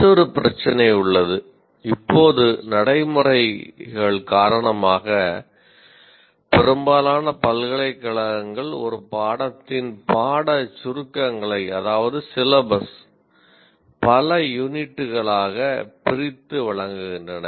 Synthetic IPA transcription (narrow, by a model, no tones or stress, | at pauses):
ɔɾɯpɪɾɐt͡ʃːɐnɐɪʊɭːɐðɯ | ɪpːoːðɯnɐɽɐɪmɯrɐɪɣɐɭkaːɾɐɳɐmaːɣɐ | pɛɾɯmbaːlaːnɐpɐlɣɐɭɐɪkːɐɭɐŋɡɐɭɔ̰ɾɯpaːɽɐt̪ːɪnpaːɽɐt͡ʃʊɾɯkːɐŋɡɐɭɐɪɐðaːʋɐðɯsɪlɐbɐs | pɐlɐjʊnɪʈːɯɣɐɭaːɣɐpɪɾɪt̪ːɯʋɐɭɐŋɡɯɣɪndrɐnɐ